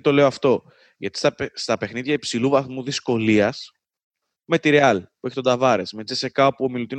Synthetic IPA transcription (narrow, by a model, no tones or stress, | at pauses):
t̪o̞le̞oɐft̪o̞ | ʝɐt̪i̥sɐst̪ɐpe̞xniðʝɐipsiluvɐθmuðisko̞liɐs | me̞t̪iɾeɐlpue̞çet̪o̞d̪ɐvɐɾe̞sme̞d͡zese̞kɐopuo̞milut̪in